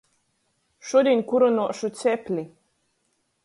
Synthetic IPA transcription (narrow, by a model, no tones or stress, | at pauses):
ʃuɔd̪ʲinkuɾɔnuɔʃut̪sʲɛpʲlʲi